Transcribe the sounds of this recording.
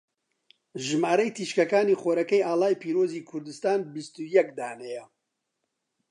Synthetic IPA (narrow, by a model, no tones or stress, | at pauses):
ʒɨmaːɾɛjt̪ʰiːʃkɐkaːniːxoːɾɐkɛjaːlaːjpʰiːɾoːziːkʰʊɾd̪ɨst̪aːnbist̪ujɛkd̪aːnɛjɛ